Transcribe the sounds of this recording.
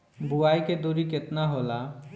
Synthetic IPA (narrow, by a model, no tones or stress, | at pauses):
buaːiked̪uɾikɪt̪naɦoːla